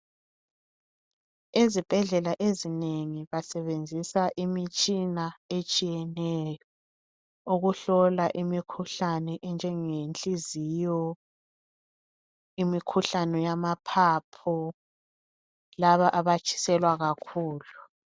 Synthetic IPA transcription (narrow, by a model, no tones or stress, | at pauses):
ezib̥ʱɛɮɛlaʔezineŋiβasɛβend͡zʱisaʔimit͡ʃʼinaet͡ʃʼijɛnɛjɔ | uɣuɬɔlaʔimikʰuɬanɛʔɛnd͡ʒʱɛŋent͡ɬʼizijɔ | imikʰuɬanɛjamapʰapʰɔ | laβaʔaβat͡ʃʰʼi̥sɛlwaɣakʰuːlu